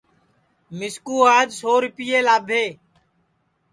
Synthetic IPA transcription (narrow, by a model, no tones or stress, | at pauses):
mɪskuːaːd͡ʒsoːɾɪpiːeːlaːbʱeː